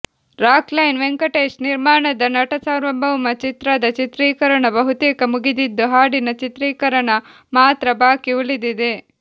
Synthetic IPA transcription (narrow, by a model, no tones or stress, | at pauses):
ɾaːklɐjnʋeŋkɐʈeːsniɾmaːɳɐd̪ɐnɐʈɐsɐwɾɐmbʱɐwmɐt͡ʃit̪ɾɐd̪ɐt͡ʃit̪ɾiːkɐɾɐɳɐbɐɦut̪eːkɐmuɡid̪id̪ːuɦaːɽinɐt͡ʃit̪ɾiːkɐɾɐɳɐ | maːt̪ɾɐbaːkiulid̪id̪e